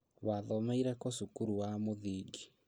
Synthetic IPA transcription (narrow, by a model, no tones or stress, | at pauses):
waðɔmeiɾɛkosukuɾuwamoðiːɡi